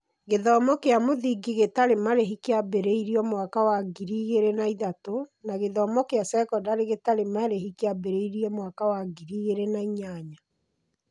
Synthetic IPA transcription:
ɣeðɔːmɔkeamoðiɡiɣetaɾemaɾeɦikeabeɾeiɾiɔmwakawaɡiɾiɣeɾenaiðatonaɣeðɔmɔkeasɛkɔdaɾeɣetaɾemaɾeɦikeabeɾeiɾiɔmwakawaɡiɾiɣeɾenaiɲaɲa

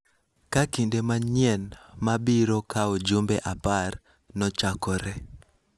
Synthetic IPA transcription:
kakindemaɲjɛnmabiɾokaod͡ʒumbɛʔapar | nɔt͡ʃakɔɾɛ

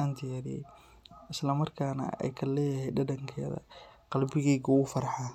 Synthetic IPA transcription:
aːnt̪ʰɪjaːɾɪjɛ̰j | ɪslɐmɐrkʰaːnɐ̰ɛ̰jkʰɐlɛːjɐhɛjɖɐɖɐŋkʰɛ̰ːðɐ̰qɑlbɪɣɛːɣɐʊfɐɾħaː

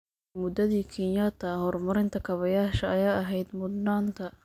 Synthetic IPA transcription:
mʊd̪ɐðiːkʰinjat̪ʰɐhɔrmɐɾɪnt̪ʰɐkʰɐβɐjaːʃɐɐjaːɐɦɛjd̪mʊd̪naːnt̪ʰɐ

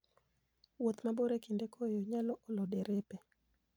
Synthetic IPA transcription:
wot̪maboɾekindekʰojoɲalɔʔolodeɾepe

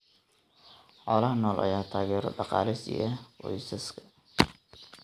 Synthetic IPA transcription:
ħɔːlɐɦɐnɔːlʔɐ̰jaːt̪ʰaːɣɛːɾɔ̰ɖɑqɑ̰ːlɪsɪ̰jɐwɔ̰jsɐskʰɐ̥

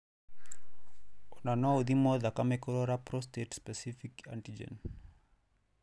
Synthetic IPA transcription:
unanɔud̪imoðakamekɔɾoɾapɾɔstetspesifika̰nʈid͡ʒḛn

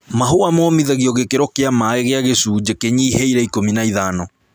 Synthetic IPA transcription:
maɦoamɔːmiðaɣiɔɣekeɾɔkeamaeɣeaɣesud͡ʑekeɲiːheiɾɛikominaiðaːnɔ

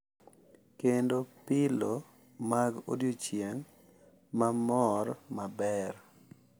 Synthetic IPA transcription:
kendopɪlo | maɡo̰djot͡ʃjeŋ | mamɔɾmabɛɾ

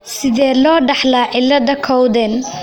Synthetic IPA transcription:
sɪðɛːlɔːɖɑħlaːʕɪlɐðɐkʰɔwðɛn

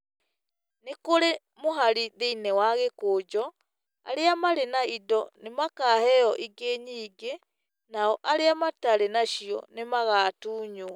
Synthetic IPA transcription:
nekoɾe | moɦaɾiðeinɛwaɣekoːd͡ʒɔ | a̰ɾeamaɾenaidɔnemakaːhɛɔʔiɡeɲiːɡe | naɔʔaɾeamataɾenaʃiɔ̰nemaɣaːtuːɲo

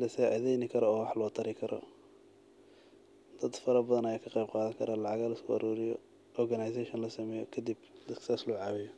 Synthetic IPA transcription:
lɐsaːʕɪðɛjnɪkʰɐɾɔɔːwɑħlɔːt̪ʰɐɾɪkʰɐɾɔ̰ | d̪̥ɐd̪fɐɾɐbɐðɐnɐjaːkʰɐqejb̚qɑːðɐŋkʰɐɾaːlɑʕɑɣaːlɐɪskʰʊʔɐ̰ɾuːɾɪjɔ | ɔrɡɐnɐjs̬aʃɐnlɐsɐmɛːjɔkʰɐd̪ibd̪ɐd̪kʰsaslɔːʕɑːwɪjɔ

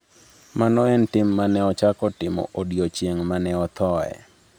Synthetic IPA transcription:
manɔɛntɪmːanɛɔt͡ʃakɔtɪmɔ̰ʔodjot͡ʃjeŋmanɛɔt̪ʰɔɛ̰

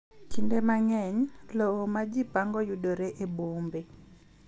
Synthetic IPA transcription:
kindemaŋɛɲlowomad͡ʒipaŋɡɔjudoɾeʔebombe

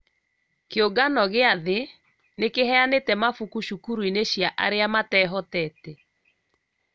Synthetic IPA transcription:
keoɡanɔɣeaðe | nekeɦɛanetɛmafukuʃukuɾuineɕjaʔa̰ɾeamatɛɦɔtɛtɛ

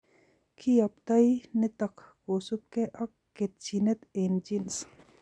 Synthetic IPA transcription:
kʰiɐpt̪ɐinɪt̪ɐkʰkoːsup̚keʔɐkːet̪̚t͡ʃinet̪eːnd͡ʒins

